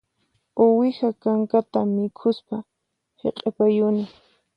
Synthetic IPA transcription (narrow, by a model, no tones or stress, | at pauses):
owɪxakaŋkat̪amɪkʰʊspa | hḛqʼepajʊnɪ